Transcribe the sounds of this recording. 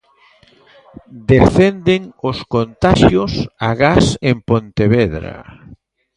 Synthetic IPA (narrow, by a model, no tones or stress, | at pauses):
d̪eθɛnd̪eŋoskont̪aʃjosaɣasempont̪eβɛðɾa̰